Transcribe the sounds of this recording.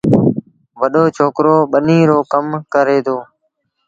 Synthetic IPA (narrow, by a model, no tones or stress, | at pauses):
ʋəɗoːt͡ʃʰoːkɾoːɓənĩːɾoːkəmkəɾeːd̪oː